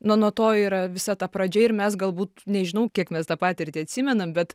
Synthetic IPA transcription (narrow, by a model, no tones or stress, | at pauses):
nʊnuɔt̪oːiːɾɐʋʲɪsɐt̪ɑpɾɐd͡ʒʲɛɪrmʲɛs̬ɡɐlˠbuːt̪nʲɛʒʲɪnɐʊkʲiɛkmʲɛst̪ɑpɑːt̪ʲɪrʲt̪ʲɪɐt̪ʲsʲimʲɛnɐmbʲɛt̪